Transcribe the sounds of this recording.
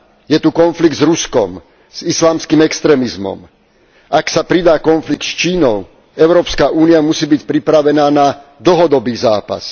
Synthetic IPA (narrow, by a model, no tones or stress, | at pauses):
jɛt̪ukɔnfliɡ̚d̪zɾuskɔm | z̥islaːmskiːmɛkst̪ɾɛːmizmɔ̰m | ʔaksapɾid̪aːkɔnflik̚t̪st͡ʃiːnɔʊ | ɛʊɾɔːpskaʔuːniamusiːbicpɾipɾaʋɛnaːnad̪l̩ɦɔd̪ɔbiːzaːpa̰s